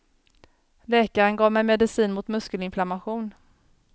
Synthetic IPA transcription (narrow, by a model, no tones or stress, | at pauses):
lɛːkaɾənɡɑːvmɛjmɛd̪ɪsiːnmʊt̪mɵskəlɪnflamaɧuːn